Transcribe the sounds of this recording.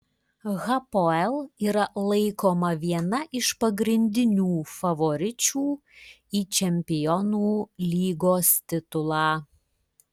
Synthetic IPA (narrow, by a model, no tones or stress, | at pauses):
ɣɐpoɛlˠiːɾɐlˠɐɪkoːmɐʋʲiɛnɐʔɪʃpɐɡɾʲɪnʲd̪ʲɪnʲuːfɐʋoɾʲɪt͡ʃʲuː | iːt͡ʃʲɛmʲpʲɪjɔnuːlʲiːɡoːst̪ʲɪt̪ʊlˠɑː